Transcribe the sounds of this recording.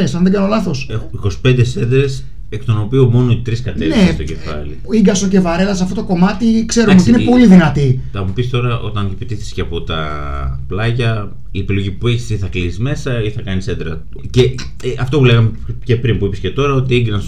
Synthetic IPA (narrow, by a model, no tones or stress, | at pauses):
esɐnðeɡɐnolɐθo̞sexiko̞si̥pe̞nd̪e̞se̞d̪ɾe̞s | ekt̪ono̞piomo̞no̞it̪ɾiskɐt̪evnest̪oce̞fɐ̰lḭiŋɡɐsoce̞vɐɾe̞lɐsɐft̪ot̪oko̞mɐt̪ikse̞ɾomeoiinepo̞liðinɐt̪iθɐmupist̪o̞ɾɐʔo̞̰t̪ɐnepit̪iθi̥sceɐpo̞t̪ɐ̰ | plɐʝɐ | iepilo̞ʝipue̞çi̥siθɐklisizme̞sɐiθɐkɐnisend̪ɾɐt̪ | ce | ɐft̪o̞pule̞ɣɐmece̞pɾimpuipisce̞t̪o̞ɾɐo̞t̪iiŋɡɾɐns